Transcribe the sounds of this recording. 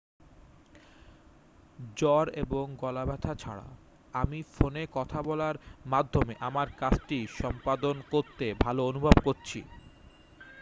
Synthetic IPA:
d͡ʑɔɾeboŋɡɔlabɛt̪ʰat͡ɕʰa̰ɽa̰ | amifonekɔt̪ʰabɔlaɾmad̪ʱːomeʔamaɾkat͡ɕʰʈiʃɔmpad̪onkoɾt̪ebʱaloonubʱobkoɾt͡ɕʰḭ

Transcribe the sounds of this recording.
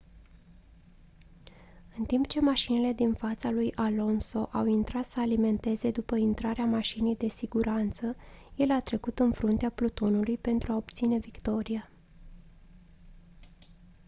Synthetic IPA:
ɨnt̪impt͡ʃe̞maʃinile̞d̪infat̪salujʔalo̞nso̞ʔawint̪ɾat̪səalime̞nt̪e̞ze̞d̪upəint̪ɾaɾeamaʃinejd̪e̞siɡuɾant̪səje̞lat̪ɾe̞kut̪ɨnfɾunt̪eaplut̪o̞nulujpe̞nt̪ɾuaobt̪sine̞vikt̪o̞ɾia

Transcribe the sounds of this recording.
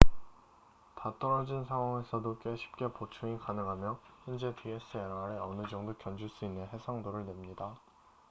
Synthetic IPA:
tat͈ʌɾʌd͡ʑinsʰaŋɦwaŋe̞sʰʌdok͈e̞ɕʰi̥p̚k͈e̞pot͡ɕʰuikanɯŋɦamjʌind͡ʑe̞tʰies͈ʰɯeaɾeʌnɯd͡ʑʌŋdokjʌnd͡ʑuɭs͈uinːɯnɦe̞sʰaŋdoɾɯɭnwe̞mɲida

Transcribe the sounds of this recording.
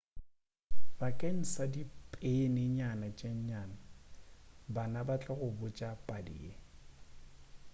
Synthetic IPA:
bakʼen̩sadipʼenɪɲanat͡ʃʼeɲɲana | banabat͡ɬʼɛɣʊbʊt͡ʃʼapʼadḭːe

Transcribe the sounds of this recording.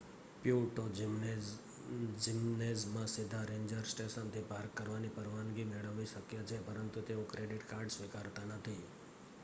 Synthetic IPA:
pjuʈo | d͡ʒimnezmãsid̪ʱaɾẽɲd͡ʒəɾsʈeʃənt̪ʰipaɾkːəɾʋanipəɾʋanɡimeɭəʋiʃəkjət͡ʃʰepəɾənt̪ut̪eokɾeɖiʈkaɾɖsʋikaɾt̪anət̪ʰi

